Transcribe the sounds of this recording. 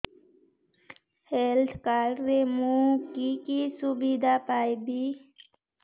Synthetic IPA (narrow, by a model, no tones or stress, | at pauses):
helt̪ʰkaːlɾemũkikisubid̪ʱapaːjbi